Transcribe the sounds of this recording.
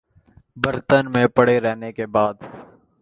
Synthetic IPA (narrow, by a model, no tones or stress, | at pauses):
bəɾt̪ənmẽːpəɽeɾɛɦnekebaːd̪